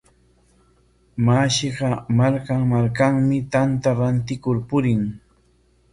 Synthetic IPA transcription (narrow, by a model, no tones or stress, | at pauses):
maʃɪɢɑmaɾkamaɾkaŋmɪt̪ant̪aɾant̪ɪkʊɾpʊɾɪŋ